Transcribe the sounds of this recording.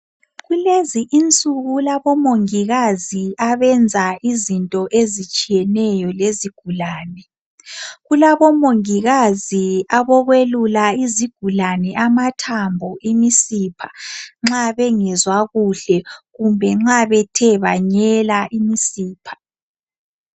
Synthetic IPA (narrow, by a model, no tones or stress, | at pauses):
ɣuleziʔint͡sʼuɣulaβɔmoŋiɣaziaβɛnd͡zʱaizintʼɔʔezit͡ʃʼijɛnɛjɔleziɡ̥ʱulaːnɛ | ɣulaβɔmoŋiɣaziaβɔɣwelulaiziɡ̥ʱulanɛʔamatʰambʱɔʔimisiːpʰḁŋ͡ǁaβɛŋɛzwaɣuɬɛɣumbʱɛŋ͡ǁaβɛtʰɛβaɲɛlaʔimisiːpʰḁ